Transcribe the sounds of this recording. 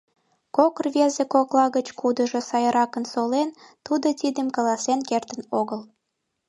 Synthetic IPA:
kokərβezekoklɑɣət͡ɕkud̪əʒosɑjəɾɑkənsolent̪ud̪ot̪id̪ə̆mkɑlɑsenkert̪ənoɣəl

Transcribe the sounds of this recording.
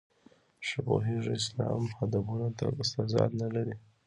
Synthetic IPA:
ʃabo̰ɦiʐɪslɑmhad̪abunat̪a̰ɪst̪azɑ̰d̪nalaɾi

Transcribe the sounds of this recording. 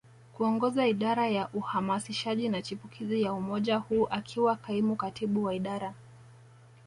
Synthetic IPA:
kuɔŋɡɔzaiɗaɾajaʔuhamasiʃaʄinat͡ʃipukʰizijaumɔʄahuːʔakʰiwakaimukatiɓuwaiɗaɾa

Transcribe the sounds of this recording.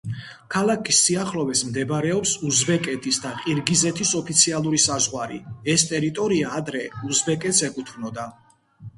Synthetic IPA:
kʰalˠakʰisːiaχlɔvɛsmd̪ɛbɾɛɔpsuzbɛkʼɛt̪ʼʰisd̪aqʼiɾɡizɛt̪ʰisɔpʰit̪sʰialˠuɾisazʁwaɾiɛst̪ʼɛɾit̪ʼɔɾiaːd̪ɾɛuzbɛkʼɛt̪sɛkʼut̪ʰmnɔd̪a

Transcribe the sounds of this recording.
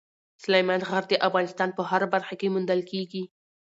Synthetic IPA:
slajmanɣaɾd̪əʔafɣɑnɪst̪ɑnpəhaɾabaɾxakemʊnd̪əlkeɡi

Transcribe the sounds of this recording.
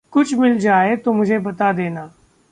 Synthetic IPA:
kʊt͡ʃʰmɪld͡ʒaːet̪omʊd͡ʒʱebɐt̪ad̪eːnaː

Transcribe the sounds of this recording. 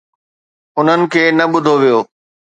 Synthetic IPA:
ʊn̤ənɪ̆kʰeːnɐɓʊd̪ʱoʋijoː

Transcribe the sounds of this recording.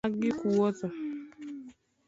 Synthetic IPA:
aɡɪkuwotɔ

